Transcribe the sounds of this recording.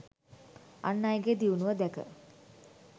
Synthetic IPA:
a̰nːajɡed̪iunuʋəd̪ækə̰

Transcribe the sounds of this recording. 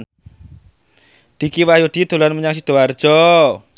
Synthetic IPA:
d̪̥i̤kiwajud̪̥id̪̥o̤lanməɲaŋs̬id̪̥o̤ard̥ʒ̥ɔ

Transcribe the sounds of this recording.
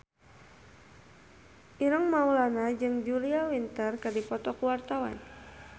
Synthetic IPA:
ʔiɾəŋmaulanad͡ʒɨŋd͡ʒuliawint̪ərkadipɔt̪ɔkuwart̪awa̰n

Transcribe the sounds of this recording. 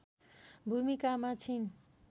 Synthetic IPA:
bʱumikamat͡sʰin

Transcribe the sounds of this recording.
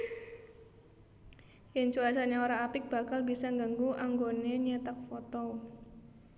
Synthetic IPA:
jɪŋt͡ʃuat͡ʃaneoɾaːpɪk̚b̥a̤kalbisaŋɡaŋɡuʔaŋɡoneɲet̪ak̚fɔt̪ɔ

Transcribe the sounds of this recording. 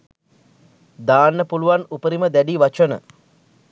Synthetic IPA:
d̪aːnːəpuluʋanupəɾiməd̪æɖiʋat͡ʃənə̰

